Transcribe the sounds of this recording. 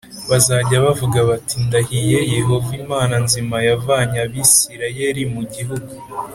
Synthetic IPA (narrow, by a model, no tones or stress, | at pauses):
βazaɟaβavuɡaβatindahije̞je̞ɦo̞vimaːnanzimajavaːɲaβisiɾajeɾimuɟiɦuɡu